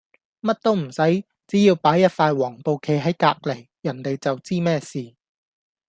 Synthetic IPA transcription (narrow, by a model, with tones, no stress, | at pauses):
mɐ˥t̚t̪o˥wm̩˨˩sɐ˨˥j | t͡siː˨˥jiː˧wpaː˨˥jːɐ˥t̚faː˧jwɔː˨˩ŋpo˨wkʰe˨˥jɦɐ˨˥jkaː˧k̚le˨˩j | jɐ˨˩nt̪e˨jt͡sɐ˨wt͡siː˥mɛː˥siː˨